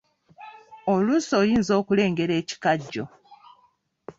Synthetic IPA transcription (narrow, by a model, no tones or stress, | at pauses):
olusoːjiːnzo̞ːkule̞ːŋɡe̞ɾe̞ːci̥kaɟːo̞